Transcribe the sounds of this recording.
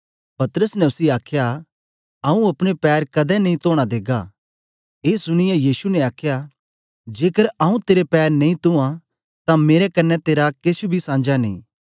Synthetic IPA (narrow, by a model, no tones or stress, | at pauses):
pɐt̪ɾəsnɛ̃ʊsiaːkʰja | ɐũɐpɽ̃epɛːɾkɐd̪ɛnɐ̃ĩt̪oːɽ̃ad̪eːɡa̰ | eːsʊɽ̃ɪjɛ̃jiːsunɛ̃aːkʰja | d͡ʒeːkəɾaːũt̪eːɾepɛːɾnɐĩt̪ʊã | t̪ãmeːɾɛkɐnːɛt̪eːɾakesubʱisãːnd͡ʒanḭ̃ː